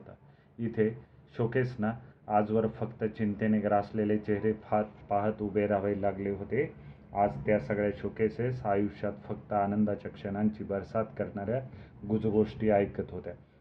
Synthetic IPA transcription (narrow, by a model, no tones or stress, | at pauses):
t̪a | it̪ʰeɕokesnaːd͡zʋəɾfəkt̪ət͡ɕint̪eneɡɾaslelet͡ɕeɦɾeapaɦət̪ubeɾaʋailaɡleɦot̪e | ad͡zt̪jasəɡɭjaɕokesesajuʂjat̪fəkt̪əanənd̪at͡ɕakʂəɽ̃aɲt͡ɕiːbəɾsat̪kəɾɳaɾja | ɡud͡zɡoʂʈiːajkjət̪ɦot̪ja